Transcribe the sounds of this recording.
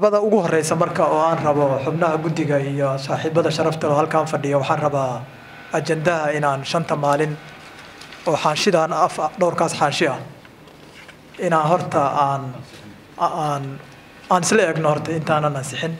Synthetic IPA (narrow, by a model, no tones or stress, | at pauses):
βɐðɐʊɣʊhɔrɛjsɐmɐrkʰɐɔːaːnrɐβɔħʊbnɐɦɐɡʊd̪ɪɣɐijɔsaːħiːbɐðɐʃɐɾɐft̪ʰɐlɔːhɐlkʰaːnfɐɖɪjɔwɑħɑːnrɐβaː | ɐt͡ʃɛnd̪ɐɦɐɪnaːnʃɐnt̪ʰɐmaːlɪn | ɔːħɑːnʃɪðɐːnɐfɖɔwrkʰaːsħɑːnʃɪɐ | ɪnaːnɦɔrt̪ʰɐaːn | n | aːnɪslɛɛːɡnɔhɔrt̪ʰɐɪnt̪ʰaːnaːnːɐsɪħɪn